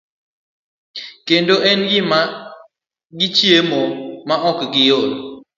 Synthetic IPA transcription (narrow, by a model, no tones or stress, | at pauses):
kendoɛnɡima | ɡit͡ʃjemɔmaʔɔkɡijol